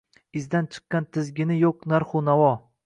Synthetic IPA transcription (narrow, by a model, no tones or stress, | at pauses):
ɪzd̪ant͡ʃʰɨ̥qːɑnt̪ʰɪzɡʲɪnɪjoqnaɾχʊnavɒ